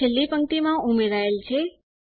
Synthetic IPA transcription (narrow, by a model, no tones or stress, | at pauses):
elːipəŋkt̪imãumeɾaelt͡ʃʰe